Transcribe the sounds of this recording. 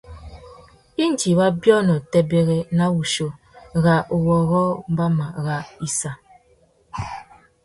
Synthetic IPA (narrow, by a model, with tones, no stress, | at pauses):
i˦n˨d͡ʒi˨ba˦bjɔ˦nɔ˨tɛ˦be˦ɣe˦na˦wu˨ʃo˨ | ɣa˨ʔu˨wɔ˨ɣɔ˦m̩˦ba˦ma˨ɣa˨i˦sa˨